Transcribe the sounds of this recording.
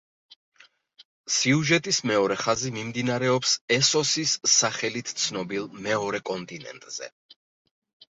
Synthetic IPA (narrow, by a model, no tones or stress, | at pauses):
siuʒɛt̪ʼismɛɔɾɛχazimimd̪inaɾɛɔpsɛsɔsisaχɛlit̪ʰt̪sʰnɔbilˠmɛɔɾɛkʼɔnt̪ʼinɛ̰nt̪ʼz̥ɛ̰